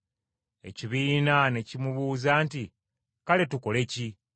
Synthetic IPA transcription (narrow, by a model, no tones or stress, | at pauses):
e̞̰ciβiːnane̞cimuβuːzaːnti | kale̞tuko̞le̞ci